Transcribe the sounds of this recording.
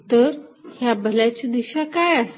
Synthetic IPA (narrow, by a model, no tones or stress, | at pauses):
t̪əɾhjabʱəlat͡ɕid̪iɕakajas